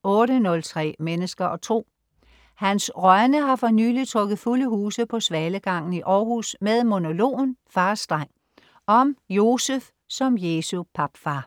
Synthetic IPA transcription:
ɔ̽ːɾənɔ̽lt͡sʰʁɛ̰ːmenəsɡ̥ɐʔɒ̽t͡sʰʁo̝̰ː | hænsʁɶɐnəɦɑ̈fɒ̽ny̰ːlit͡sʰʁɔɡ̥ð̞̩ˠfuləɦuːsəpʰɒ̽sʋɛːləɡ̥ɑ̈ŋ̰n̩iʔɒːɦṵsmeðˠmo̝no̝lo̝̰ːnfɑ̈ːsd̥ʁɑŋ̰ | ɒ̽mjo̝ːsəf | sɒ̽mjesupʰɑ̈b̥fɑː

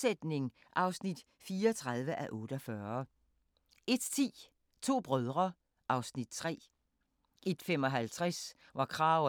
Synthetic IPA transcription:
sed̥ne̝ŋ | ʔɑ̈ʊsnid̥ | fiːɐɒt͡sʰʁɑð̞ˠʋəʔæʔɔ̽ːɾ̥əɒfɶːɐ | e̝d̥t͡sʰḭː | t͡sʰo̝̰ːb̥ʁœð̞ˠʁɐ | ʔɑ̈ʊsnid̥t͡sʰʁɛ̰ː | ʔe̝d̥fem̰ɒ̽ɦælt͡sʰʁas | ʋɑ̈kʰʁɑ̈ʊ

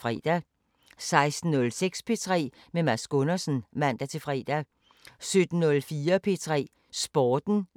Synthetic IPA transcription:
fʁɛ̰d̥æ | sɑ̈ɪsd̥n̩ːɔ̽lseɡ̥spʰe̝t͡sʰʁɛ̰ː | memæsɡ̥ɔ̽nɐsn̩mæn̰d̥æt͡sʰe̝fʁɛ̰ːd̥æ | sød̥n̩nɔ̽lfiːɐpʰe̝t͡sʰʁɛ̰ː | sb̥ɒːd̥n̩

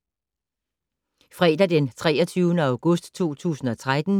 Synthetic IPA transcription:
fʁɛːd̥æd̥ent͡sʰʁɛ̰ːɒt͡sʰyːʊnəɑ̈ʊɡ̥ɔ̽sd̥t͡sʰo̝̰ːt͡sʰṵːsn̩ɒ̽t͡sʰʁad̥n̩

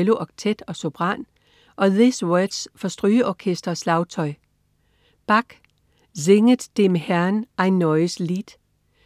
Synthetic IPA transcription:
loʔɒɡ̥̚t͡sʰed̥ɒ̽sob̥ʁɑn | ʔɒ̽ðiswød̥sfɒ̽sd̥ʁyːəʔɒkʰesd̥ʁɐslɑ̈ʊt͡sʰɒ̽ɪ | b̥ɑ̈ɡ̥ | zeŋəd̥d̥emhæɐnʔæɪnːɒɪəslid̥

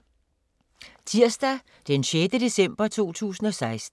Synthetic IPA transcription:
t͡sʰiɐ̰sd̥æ | d̥enɕed̥əd̥e̝sem̰b̥ɐt͡sʰo̝̰ːt͡sʰṵːsn̩ɒ̽sɑ̈ɪsd̥

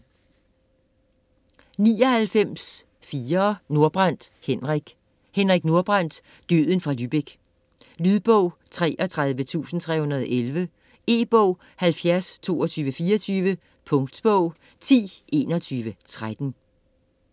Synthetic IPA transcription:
niːɒ̽hælfem̰s | fiːɐːno̝ɐb̥ʁan̰d̥henʁiɡ̥ | henʁiɡ̥no̝ɐb̥ʁan̰d̥ | d̥yð̰ˠən̩fʁɑ̈lyːb̥eɡ̥ | lyðˠb̥ɔʊ̰t͡sʰʁɛ̰ːʔɒt͡sʰʁað̞ˠʋət͡sʰṵːsn̩t͡sʰʁɛ̰ːhunɐð̞ˠɒʔelʋə | e̝̰ːb̥ɔʊ̰ | hælfjæɐst͡sʰo̝̰ːɒt͡sʰyːʋəfiːɐt͡sʰyːʋə | pʰɔ̽ŋd̥sb̥ɔʊ̰ | t͡sʰḭːʔe̝̰ːnɒt͡sʰyːʋət͡sʰʁad̥n̩

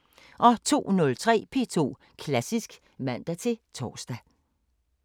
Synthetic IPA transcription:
ʔɒ̽t͡sʰo̝̰ːnɔ̽lt͡sʰʁɛ̰ːpʰe̝ːt͡sʰo̝̰ː | kʰlæsisɡ̥ | mæn̰d̥æt͡sʰe̝t͡sʰɒːsd̥æ

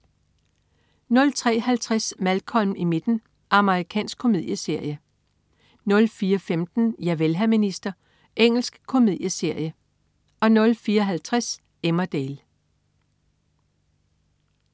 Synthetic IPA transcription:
nɔ̽lt͡sʰʁɛ̰ːhælt͡sʰʁasmælkʰɒ̽lmime̝d̥n̩ | ʔɑ̈məʁikʰɛ̰ːnsɡ̥kʰːomið̰ˠjəse̝ɐ̰jə | nɔ̽lfiːɐfemd̥n̩jæʋelɦæminisd̥ɐ | ʔeŋ̰l̩sɡ̥kʰo̝mið̰ˠjəse̝ɐ̰jə | ɒ̽nɔ̽lfiːɐɦælt͡sʰʁas | emɐd̥eːl

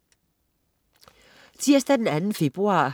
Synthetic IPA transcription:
t͡sʰiɐsd̥æd̥enænn̩fe̝b̥ʁuɑ̰̈ː

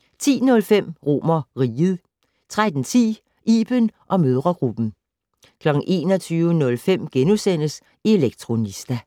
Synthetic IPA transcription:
t͡sʰḭːnɔ̽lfem̰ʁo̝̰mɐʁiːð̞̩ˠ | t͡sʰʁad̥n̩t͡sʰḭː | ʔḭːb̥ənʔɒ̽møð̞ˠʁɐɡ̥ʁub̥n̩ | kʰlɒ̽ɡ̥ŋ̩ʔe̝̰ːnɒt͡sʰyːʊənɔ̽lfem̰ɡ̥enusen̰əs | ie̝leɡ̥̚t͡sʰʁo̝nisd̥æ

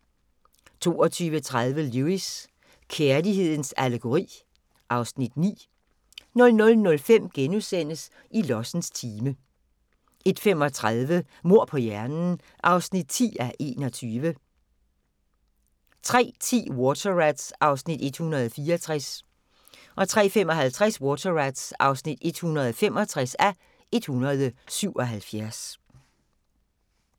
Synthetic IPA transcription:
t͡sʰo̝̰ːɒ̽t͡sʰyːʋət͡sʰʁað̞ˠʋəluis | kʰeɐliɦe̝ð̞̰ˠn̩sæləɡ̥o̝ʁḭː | ʔɑ̈ʊsnid̥nḭː | nɔ̽lnɔ̽lnɔ̽lfem̰ɡ̥enusen̰əs | ilɒsn̩st͡sʰiːmə | e̝d̥fem̰ɒ̽t͡sʰʁaðˠʋə | mo̝ɐ̰pʰɒ̽jæɐnn̩ | ʔɑ̈ʊsnid̥̚t͡sʰḭːæʔe̝̰ːnɒ̽t͡sʰyːʋə | t͡sʰʁɛ̰ːt͡sʰḭːwɔt͡sʰɐʁæd̥sɑ̈ʊsnid̥e̝d̥hunɐð̞ˠfiːɐɒt͡sʰʁas | ʔɒ̽t͡sʰʁɛ̰ːfem̰ɒ̽ɦælt͡sʰʁɛswɔːt͡sʰɐʁæd̥sɑ̈ʊsnid̥e̝d̥hunʁɐð̞̩ˠɒfem̰ɒ̽t͡sʰʁasæ | e̝d̥hunɐð̞ˠəsyʊ̰ʔɒ̽ɦælfjæɐs

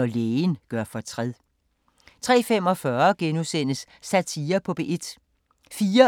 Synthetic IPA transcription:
ɒleːnɡ̥ɶɐ̰fɒ̽t͡sʰʁɛð̰ˠ | t͡sʰʁɛ̰ːfem̰ɒ̽fɶɐɡ̥enusen̰əsːæt͡sʰiːɐpʰɒ̽b̥eʔe̝d̥ | fiːɐ

